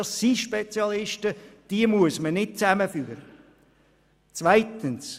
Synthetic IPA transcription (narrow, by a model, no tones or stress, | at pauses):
ssiʃpet͡sjɑlɪʃtəd̥iəmuəsmənɪt̚t͡sæməfyːɾə | t͡svaɪtəns